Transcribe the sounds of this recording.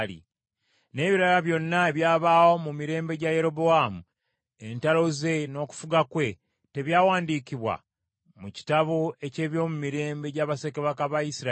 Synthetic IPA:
lḭ | ne̞ːβiɾalaβjo̞nːaeβjaːβaːwomumiɾe̞ːmbe̞ɟaje̞ɾo̞boamu | entalo̞ze̞no̞ːku̥fuɡakwe̞ | te̞βjaːwaːndiːkiβwa̰ | muci̥taβoe̞ce̞ːβjo̞ːmumiɾe̞ːmbe̞ɟaβase̞keβakaβajisiɾa

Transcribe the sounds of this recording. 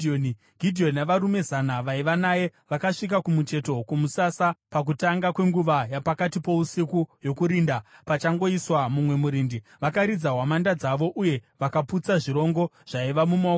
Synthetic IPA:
on | ɡʱidʱio̞ninaʋaɾume̞zanaʋaiʋanaje̞ʋakaʂik̬akumut͡ʃe̞to̞kumusasapak̬utaŋɡakwe̞ŋɡuʋajapakatipo̞usikujo̞kuɾiːndapat͡ʃaŋɡo̞iswamumwe̞muɾiːndiʋakaɾid͡zaɦwamandad͡zaʋo̞ʔuje̞ʋakaput͡saʐiɾo̞ŋɡo̞ʐ̥aiʋamuma

